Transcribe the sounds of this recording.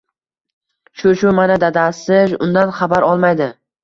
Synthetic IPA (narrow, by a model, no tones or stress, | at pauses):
ʃʊʃʊmanad̪ad̪asɪʃʊ̰nd̪anχabaɾɒlˠmajd̪ɪ